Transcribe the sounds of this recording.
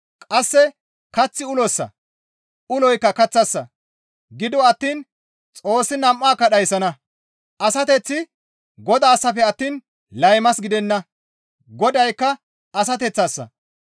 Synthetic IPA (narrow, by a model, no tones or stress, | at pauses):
kʼɐsːɛ | kɐt͡sːɪʊlɔsːɐ̰ | ʊlɔjkːɐkɐt͡sːɐsːɐ | ɡɪd̪ɔɐt̪ːiːn | t͡sʼo̞ːsːɪnɐmʔːaːkːɐɗɐjsɐnɐ | ʔɐsɐt̪ɛt͡sːɪ | ɡɔd̪aːsːɐfɛɐt̪ːiːn | lɐjmɐsɡɪd̪ɛnːɐ | ɡɔd̪ɐjkːɐ | ɐs̬ɐt̪̬ɛt͡sːɐsːɐ̰